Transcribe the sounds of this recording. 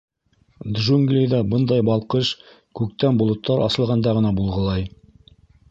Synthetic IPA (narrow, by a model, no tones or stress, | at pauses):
d̪ʒuŋɡlʲejd̪ɑbɤnd̪ɑjbɑlˠqɤʃ | kʉk̚t̪ænbŏlˠŏt̪ʰːɑɾʔɑ̰sɤ̆lˠʁɑnd̪ɑʁɤ̆nɑbulˠʁɤ̆lˠɑj